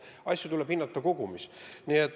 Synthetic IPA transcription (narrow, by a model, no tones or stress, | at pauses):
ɑsʲjut̪ulɛb̥hinːɑt̪ːˑɑko̞ɡ̥umisniet̪